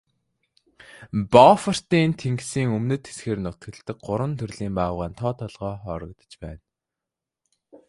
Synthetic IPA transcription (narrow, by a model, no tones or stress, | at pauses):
pɔfər̥t̪iːnt̪ʰeŋksiːŋɵmnɵ̆t̪ʰːe̥sxeːrnʊt̪ɡɘ̆ɮt̪ə̆k̚ɢʊɾwə̆nt̪ʰɵrɮiːmpaːwʁaːnt̪ʰɔːt̪ʰɔɮʁɔːχɔːɾɞ̆k̚t̪ə̥̆t͡ɕpæ̰ːn